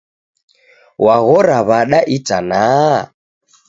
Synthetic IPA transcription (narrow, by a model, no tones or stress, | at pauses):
waɣɔɾaβaɗaʔitana